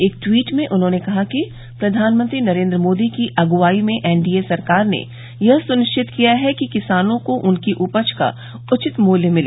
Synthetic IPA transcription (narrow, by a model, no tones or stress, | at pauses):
eːk̚ʈwiːʈmẽʔʊnɦõːnekɐɦaki | pɾɐd̪ʱaːnmə̃nt̪ɾinɐɾẽːnd̪ɾəmoːd̪ikiʔɐɡʊʋaːimẽʔɛːnɖiːesɐɾkaːɾnḛ | jɐɦsʊnɪʃt͡ʃʰɪt̪kijaɦɛkikɪsaːnõkoʔʊnkiʔʊpət͡ʃʰka̰ | ʊt͡ʃɪt̪muːljəmɪleː